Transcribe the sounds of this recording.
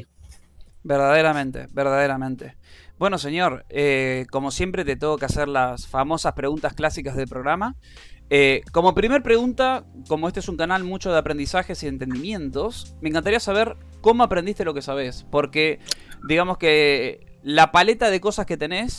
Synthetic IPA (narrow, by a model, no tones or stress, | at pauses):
beɾðaðeɾamẽnt̪ḛbeɾð̞aðeɾamẽnt̪e̞bwe̞no̞s̬e̞ɲjo̞ɾeko̞mo̞sje̞mpɾe̞t̪et̪oɣokeaseɾlasfamo̞saspɾe̞ɣunt̪asklasikazðe̞lpɾo̞ɣɾama | eko̞mo̞pɾime̞ɾpɾe̞ɣunt̪ako̞moest̪eesuŋkanalmut͡ʃo̞ð̞eapɾe̞nd̪isaxesiðent̪e̞nd̪imjẽ̞nt̪o̞smeŋkant̪aɾiasaβ̞e̞ɾ | ko̞moapɾend̪iht̪e̞lo̞ke̞saβ̞espo̞ɾked̪iɣamo̞ske | lapale̞t̪aðe̞ko̞sasket̪e̞ne̞s